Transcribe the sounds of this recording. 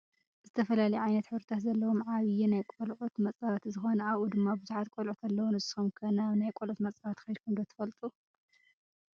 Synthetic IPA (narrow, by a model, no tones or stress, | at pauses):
zɨt̪ʰɐfɐlalɐjʕajnɐt̪ħɨβɾɐt̪ʰat̪zɐlːɐwomʕaβɨjinajkʼolʕut̪mɐt͡sʼaβat̪zɨxo̞nɐaβʔud̪ɨmːabɨzuħat̪̚kʷʼolʕut̪ʰalːɐwunɨsumkʰɐnanajkʼolʕut̪mɐt͡sʼaβat̪xɐjd̪̚kʰumd̪ot̪ʰɐ̥fɐlt̪ʼu